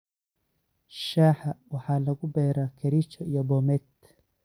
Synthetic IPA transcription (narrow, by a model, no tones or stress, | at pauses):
ʃaːħawɑħaːlɐɣʊbɛːɾakʰɛɾit͡ʃɔijɔbɔmɛt̪